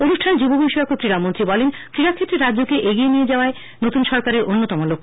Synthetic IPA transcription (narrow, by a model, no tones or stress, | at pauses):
onuʃʈʰand͡ʑubobʱojʃɛkokɾiɾamont̪ɾibɔlenkɾiɾakʰːet̪ɾeɾadːd͡ʑokeʔeɡienijed͡ʑaoae | not̪unʃɔɾkaɾeɾʔonːot̪ɔmolokʰ